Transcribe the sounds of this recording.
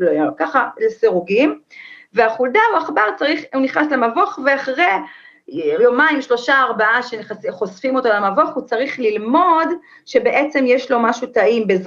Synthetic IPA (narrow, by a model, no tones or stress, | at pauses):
lokaχaleseʁuɡimveaχuldauaχbaʁt͡saʁiχuniχnaslemavo̞χveaχʁe | lomaimʃlo̞ʃaːʁbaaʃenχasiχo̞sfimo̞t̪olamavo̞χhut͡saʁiχlilmo̞d | ʃe̞beʔet͡semjeʃlo̞maʃut̪aʔimbez